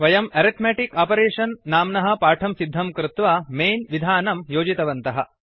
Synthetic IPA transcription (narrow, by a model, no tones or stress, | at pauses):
ʋɐjɐmɐɾit̪meʈikaːpɐɾeːʂɐnːaːmnɐɦɐ̆paːʈʰɐmsid̪ʱːɐmkɾut̪ʋaːmeːnʋid̪ʱaːnɐmjoːd͡ʒit̪ɐʋɐnt̪ɐɦɐ̰